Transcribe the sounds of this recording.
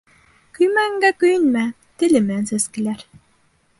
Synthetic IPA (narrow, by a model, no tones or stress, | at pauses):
kɵjmæŋɡækɵjɘ̆nmæ | t̪ɘ̆lʲɘ̆mnsɘskɘ̆lʲæɾ